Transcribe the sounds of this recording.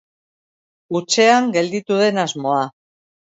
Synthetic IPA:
ut͡ʃe̞aŋɡe̞ld̪it̪uðe̞nazmo̞a

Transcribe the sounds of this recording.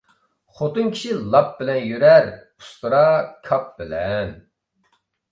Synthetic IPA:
χot̪ɨnkʲʰi̥ʃilˠɑp̚bɪlɛnjøɾɛɾ | u̥st̪ɨɾɑkʲʰɑp̚bɪlɛn

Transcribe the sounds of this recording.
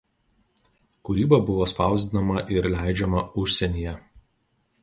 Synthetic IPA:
kʊɾʲiːbɐbʊʋoːspɑˑʊzʲd̪ʲɪnɐmɐʔɪɾlʲæˑɪd͡ʒʲɛmɐʊʃʲsʲɛnʲijɛ

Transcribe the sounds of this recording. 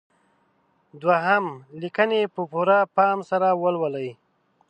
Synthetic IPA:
d̪waɦamlikənepəpuɾapɑmsaɾawəlwələj

